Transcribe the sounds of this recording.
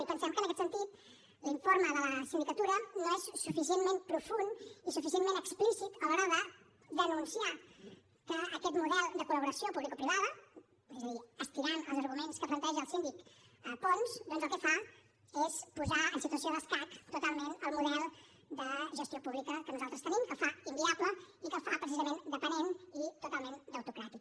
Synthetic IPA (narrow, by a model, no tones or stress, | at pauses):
ipənsɛmkənəkɛt̪sənt̪it̪ | liɱfoɾməðələsind̪ikət̪uɾənoɛsːufis̬ienmempɾufunisufisienmenəksplisit̪əloɾaðə | ðənunsia | kəəkɛt̪muðɛlˠd̪əkuləβuɾəsiopuβlikopɾiβaðə | ezəðiəst̪iɾanə̰lˠzəɾɣumenskəplənt̪ɛʒəːlˠsind̪ikəpɔnzd̪ɔnzəlˠkəfa | espuzaənsit̪uəs̬ioðəskakt̪ut̪alˠmenəlˠmuðɛlˠ | d̪əʒəst̪jopuβlikəkənuzalˠt̪ɾəst̪ənimkəfaimbiapləikəfapɾəsizəmend̪əpənenit̪ut̪alˠmend̪əwt̪ukɾat̪ik